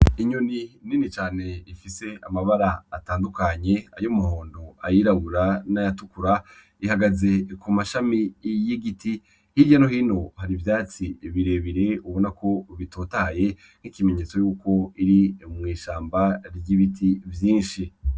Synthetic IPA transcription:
iɲonininit͡ʃaːne̞ifise̞amaβaɾaːtaːndukaɲe̞ajomuɦo̞ːndoajiɾaβuɾanajatukuɾa | ihaɡaze̞kumaʃamijiɡiti | hiɾɟano̞hiːno̞haɾivjaːt͡siβiɾe̞βiɾe̞uβo̞nako̞βitʰoːtahaje̞ | n̥ikimeɲe̞t͡so̞juːko̞iɾimŋiːʃaːmbaɾɟiβitʰivjiːnʃi

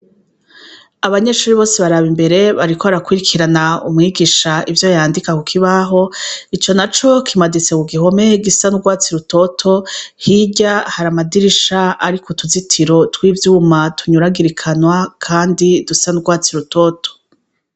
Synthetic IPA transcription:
aβaɲe̞ʃuːɾiβo̞ːseβaɾaβimbe̞ɾe̞βaɾikoβaɾakwiɾikʰiɾanaumŋiːɡiʃaʔivjo̞jaːndikakukʰiβaɦo̞it͡ʃo̞nat͡ʃo̞kʰimadit͡se̞kuɡiɦo̞me̞ɡisanuɡwaːt͡siɾuto̞tʰo̞hiɟahaɾamadiɾiʃaaɾikʰotʰuzitʰiɾo̞twiːvjuːmatʰuɲuɾaɡiɾikʰanwakʰaːndidusanuɡwaːt͡siɾuto̞tʰo̥

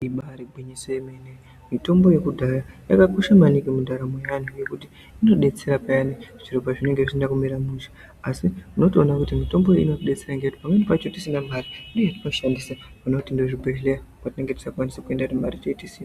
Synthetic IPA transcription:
iɓaɾeɡʱwiɲisojemene | mito̞mbo̞je̞kudʱarajakakoʃamanikemudʱaɾamejanuje̞kutiː | no̞ɗe̞t͡se̞ɾapajaniʐi̥t͡ʃiropaʐine̞ŋɡeʐit͡ʃindakumiɾamuʃḁ | asimuno̞tio̞nakutimito̞mboḭno̞tiɗe̞t͡seɾaŋɡeuti̥pamwenipat͡ʃotisinamarindojatino̞ʃandisa | munotindo̞ʐibʱeleakwatine̞ŋɡe̞ti̥sakuwanisekue̞ndatimaɾit͡ʃoitisi

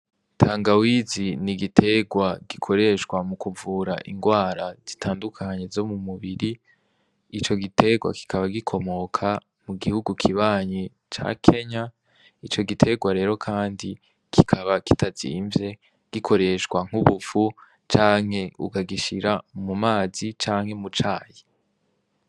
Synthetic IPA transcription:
tʰaːŋɡawiziniɡitʰe̞ɡwaɡ̥ikʰo̞ɾe̞ʃɡwamukuvuːɾaʔiŋɡwaːɾaz̥itʰaːndukʰaɲe̞zo̞mumuβiɾi | it͡ʃo̞ɡitʰe̞ɡwa̰ki̥kʰaβaɡikʰo̞mo̞kʰa | muɡihuɡukʰiβaːɲe | t͡ʃa̰kʰe̞ɲa | it͡ʃo̞ɡitʰe̞ɡwaɾe̞ːɾo̞kʰaːndi | kʰikʰaβaki̥tʰaz̥ḭːɱvje̞ | ɡ̥ikʰo̞ɾe̞ʃɡwaŋ̥uβufu | t͡ʃaːŋ̥he̞ukaɡiʃiɾamumaːzit͡ʃaːŋhe̞mut͡ʃaːji

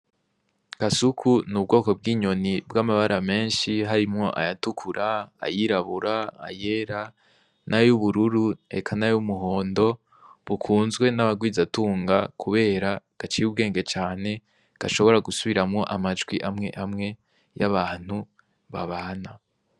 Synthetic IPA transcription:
kasukʰunub̚ɡo̞ːko̞b̚ɡiːɲo̞nibɡamaβaɾʔame̞ːnʃiɦaɾimŋo̞ʔa̰jatukʰuɾʔa̰ːjiɾaβuɾaa̰je̞ɾa | nʔajuβuɾuɾue̞̰kʰanajumuɦo̞ːndo̞ | βukʰuːnzɡwe̞naβaɡwiːzatuːŋɡakʰuβe̞ːɾa | ɡ̥at͡ʃijubɡe̞ːŋɡe̞t͡ʃaːne̞ | ɡ̥aʃo̞βo̞ɾaɡusuβiɾamŋo̞ʔamad͡ʒɡwiʔamŋe̞̰ʔamŋe̞ | jaβaːn̥hu | βaβaːna

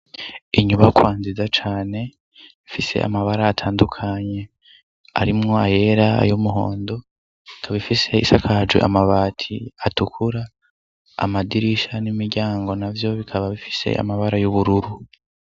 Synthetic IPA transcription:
iɲuβajokwaːnzizat͡ʃaːne̞ | ifise̞̰ʔa̰maβaɾaːtʰaːndukʰaɲe̞ | a̰ɾimŋo̞aje̞ɾaa̰jomuɦo̞̰ːndo̞ | ikʰaβifise̞isakʰad͡ʒwḛʔamaβaːtʰiatukʰuɾa̰ː | madiɾiʃanimiɾɟaːŋɡo̞navjo̞βikʰaβaβifi̥se̞̰a̰maβaɾajuβuɾuɾu

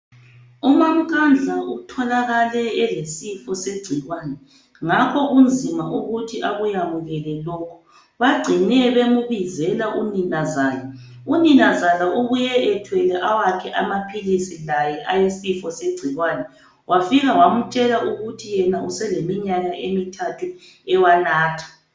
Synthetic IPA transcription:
umam̩kʰand͡ɮʱautʰɔlaɣalɛɛlesifɔseɡ͡ǀʱiɣwaːnɛ | ŋakʰɔɣund͡zʱimaʔuɣutʰiʔaɣujamuɣɛlɛlɔːkʰɔ̥ | βaɡ͡ǀʱinɛβemuβizɛlaʔuninazaːjɛ | uninazalauɣujɛɛtʰwɛlɛʔawakʰɛʔamapʰilisilajɛʔajesifɔseɡ͡ǀʱiɣwanɛ | wʔafiɣawamut͡ʃʼɛlaʔuɣutʰijɛnausɛlemiɲaɣaʔemitʰatʰu | ɛwanaːtʰḁ

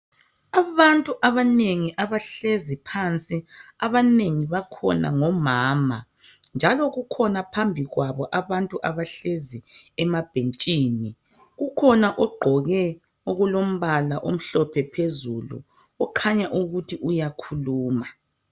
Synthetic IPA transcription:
aβantʼuʔaβaneŋiʔaβaɬezipʰant͡sʼiaβaneŋiβakʰɔ̰na̰ŋɔmaːma | nd͡ʒʱalɔɣukʰɔnapʰambʱiɣwaβɔʔaβantʼuʔaβaɬezi | ɛmab̥ʱent͡ʃʼiːni | ɣukʰɔnaʔɔɡ͡ǃʱɔɣɛ | oɣulom̩βalaʔom̩ɬɔpʰɛpʰezulṵ | ɔkʰaɲaʔuɣutʰiʔujakʰuluːma

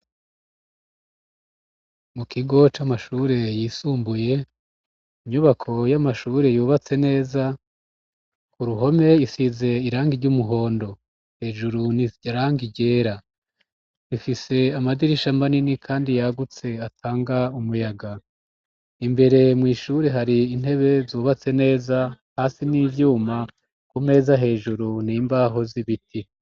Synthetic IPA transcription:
mukʰiɡo̞t͡ʃamaʃuɾe̞jisuːmbuje̞ | iɲuβakʰo̞jamaʃuɾe̞juːβat͡se̞ne̞ːza | kuɾuɦo̞me̞jisize̞iɾaːŋɡiɾɟumuɦo̞ːndo̞ | he̞ːʒuɾuniɟaɾaːŋɡiɟe̞ːɾa | ɾifise̞amadiɾiʃamaninikʰaːndijaɡut͡se̞atʰaːŋɡaumujaɡa | imbe̞ɾe̞mŋiːʃuɾeɦaɾiːn̥he̞βe̞zuːβat͡se̞ne̞ːza | haːsiniːvjuːma | kume̞ːzaɦe̞ːʒuɾunimbaɦo̞ziβiti

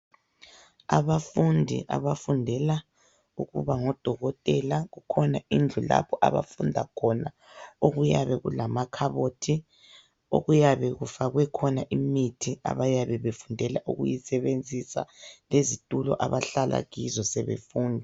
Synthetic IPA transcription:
aβafundʱḭʔa̰βafundʱɛla | uɣṵβaŋɔd̥ʱɔɣɔtʼɛlaɣukʰɔnaind͡ɮʱula̰pɔʔa̰βa̰fundʱakʰɔna | oɣujaβɛɣṵlamakʰaβotʰi | o̰ɣujaβɛɣufaɣwɛkʰɔnaʔimitʰia̰βajaβɛβefundʱɛlaʔuɣṵjisɛβend͡zʱisa̰lezitʼulɔ̰ʔaβaɬala̰ɣizɔsɛβḛfuːndʱi

